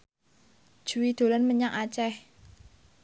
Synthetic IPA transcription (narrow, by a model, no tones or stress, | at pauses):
ʒ̥uwid̪̥o̤lanməɲaŋat͡ʃɛh